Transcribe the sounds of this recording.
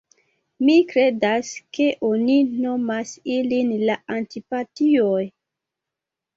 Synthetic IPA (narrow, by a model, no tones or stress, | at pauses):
mikɾe̞daske̞ʔonino̞masilinlaantipatioj